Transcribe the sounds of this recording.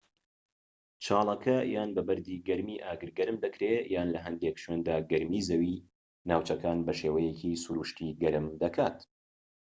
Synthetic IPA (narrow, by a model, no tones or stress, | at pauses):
t͡ʃʰaːlˠɐkʰɐjaːnbɐbɐɾd̪iːɡɐɾmiːʔaːɡɨɾɡɐɾɨmd̪ɐkɾejaːnlɐɦɐnd̪ekʃweːnd̪aːɡɐɾmiːzɐwiː | naːwt͡ʃɐkaːnbɐʃeːwɐjecʰisuɾuːʃt̪iːɡɐɾɨmd̪ɐkʰaːt̪